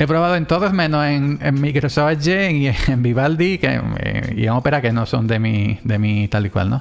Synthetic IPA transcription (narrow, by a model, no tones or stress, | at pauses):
epɾoβaðoent̪o̞ðosmẽnoseŋḛŋmikɾosod͡ʒeieembiβald̪ikḛḛḭeŋo̞pe̞ɾake̞nosond̪emid̪emit̪alikwa̰lno